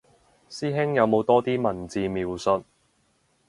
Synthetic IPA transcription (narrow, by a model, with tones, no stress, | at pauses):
siː˥ɦɪ˥ŋjɐ˨˧wmo˨˧wt̪ɔː˥t̪iː˥mɐ˨˩nt͡siː˧miː˨˧wsɵ˧t̚